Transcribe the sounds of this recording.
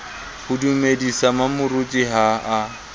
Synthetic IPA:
hʊdumedisamamʊrut͡ʃʼiɦaʔa

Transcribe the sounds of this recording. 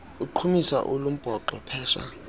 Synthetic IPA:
uǃʰumisa̰ʔulum̩b̥ʱɔǃɔpʰɛːʃa̰

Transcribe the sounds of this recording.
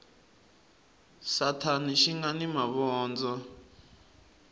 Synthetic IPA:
satʰaniʃiŋanimaβɔːnd͡zɔ

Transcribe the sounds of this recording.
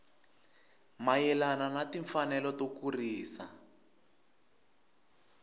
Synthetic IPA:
majɛlananatiɱfanɛlɔtokuriːsa

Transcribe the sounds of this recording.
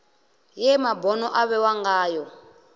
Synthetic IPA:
jɛmabɔnɔʔaβɛwaŋɡaːjɔ

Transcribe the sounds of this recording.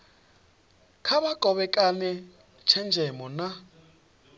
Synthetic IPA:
kʰaɓakʼɔɓɛkʼanɛ | t͡ʃʰɛnd͡ʒʱɛmɔna

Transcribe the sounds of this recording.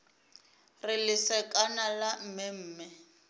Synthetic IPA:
rɪlɪsɛkʼanalam̩mɛm̩ːmɪ

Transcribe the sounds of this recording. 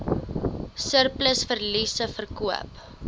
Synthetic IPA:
sərpləsfərlisəfərkuə̰p

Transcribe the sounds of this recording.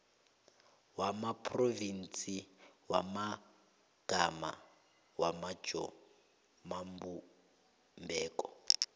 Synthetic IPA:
wamapʰrovint͡siwama | ɡ̥ʱama̰ | wamḁʒ̥ʱɔ̰ | mambu | mbɛːkʼɔ

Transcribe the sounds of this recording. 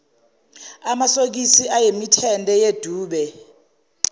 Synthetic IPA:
amasok̬isiʔajemitʰɛntʼɛjed̥ʱuːɓɛ

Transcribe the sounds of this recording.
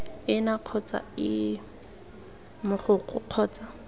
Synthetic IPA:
ɪnaq͡χʰɔt͡sʼa̰ɪ | mʊχʊq͡χʊq͡χʰɔːt͡sʼa

